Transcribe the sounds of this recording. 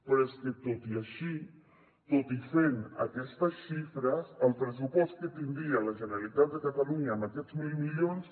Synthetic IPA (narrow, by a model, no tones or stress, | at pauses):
pɾesket̪ot̪iaʃi | t̪ot̪ifena̰kɛst̪əsʃifɾəsəlˠpɾəs̬upɔst̪̚kət̪ind̪ialaʒənəɾalit̪at̪̚d̪əkat̪aluɲaːmakɛd͡zmilmiʎons